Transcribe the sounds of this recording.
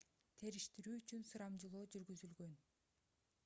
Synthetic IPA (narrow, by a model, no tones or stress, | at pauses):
t̪ʰe̞ɾiʃt̪iɾyːyt͡ʃynsɯɾɑmd͡ʒɯlˠoːd͡ʒyɾɡyzylɡø̞n